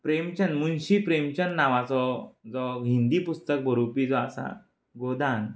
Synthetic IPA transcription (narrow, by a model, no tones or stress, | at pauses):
pɾemt͡ɕənmunɕipɾemt͡ɕənːaʋat͡sɔd͡zɔɦĩnd̪iːpust̪ək̚bʱəɾupiːd͡zɔasa̰ | ɡod̪an